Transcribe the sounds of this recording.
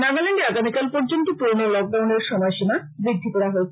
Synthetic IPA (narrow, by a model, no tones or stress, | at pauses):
naɡaleɳɖeaɡamikalpɔɾd͡ʑont̪opɾoɾnolɔk̚ɖawneɾʃɔmɔjʃima | biɡ̚d̪ʱipoɾaɦoet͡ɕʰ